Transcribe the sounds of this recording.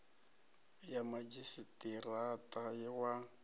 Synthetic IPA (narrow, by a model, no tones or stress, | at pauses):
jamad͡ʒisitʼiratʼajɛwa